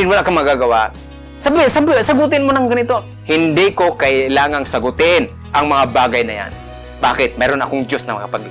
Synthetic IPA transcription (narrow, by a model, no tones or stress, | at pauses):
ɪnwɐlaʔkɐmɐɡaːɡɐwaʔ | sɐbɪsɐbsɐɡʊt̪ɪnmonɐŋɡɐnɪt̪o̞ | hɪnd̪ikokɐʔɪlaːŋɐŋsɐɡʊt̪ɪn | ʔɐŋmɐŋabaːɡɐjnɐja̰n | baːkɪt̪̚mɛːɾonɐ̰koŋd͡ʒjosnɐŋmɐ̰ŋapɐɡ